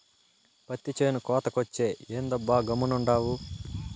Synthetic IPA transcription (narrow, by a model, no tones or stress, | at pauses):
pɐt̪ːit͡ʃeːnukɔːt̪ɐkot͡ʃːe̞ːeːnd̪ɐbːaːɡɐmːunuɳɖaːwu